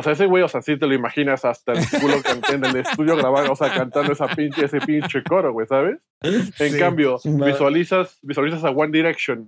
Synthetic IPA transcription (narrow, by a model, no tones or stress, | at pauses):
oseaeseɣwejo̞seasit̪e̞lo̞imaxinasast̪aelkulokant̪enelest̪uðjo̞ɣɾaβanoseakant̪and̪oesapint͡ʃese̞pint͡ʃeko̞ɾoɣwejsaβ̞es | eŋkambjo̞biswalisasbiswalis̬as̬aɣwand̪iɾeksjon